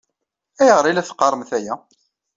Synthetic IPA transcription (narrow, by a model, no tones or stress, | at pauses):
æjəʁɾˤilæθqːɑɾˤmθæjæ